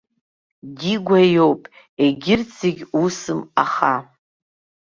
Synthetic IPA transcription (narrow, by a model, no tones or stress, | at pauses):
ɡʲiɡʷajowpʼ | eɡʲɪrt͡sʰiɡʲusɨmaχa